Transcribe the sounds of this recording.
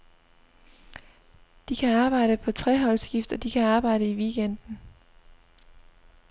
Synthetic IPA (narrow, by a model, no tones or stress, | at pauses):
d̥ikʰæɑ̈ːb̥ɑ̈ɪ̰ɾ̥əpʰɒ̽t͡sʰʁɛɦɒ̽lsɡ̥ifd̥ɒ̽d̥ikʰæɑ̈ːb̥ɑ̈ɪ̰ɾəiʋiɡ̥en̰d̥n̩